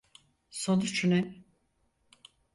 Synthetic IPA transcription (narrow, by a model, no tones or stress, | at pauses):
sonut͡ʃʰunɛ